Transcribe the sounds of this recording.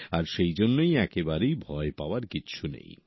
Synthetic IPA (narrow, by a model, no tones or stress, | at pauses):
aɾʃejd͡ʑonːojɛkebaɾejbʱɔepaoaɾkit͡ɕʰunḛj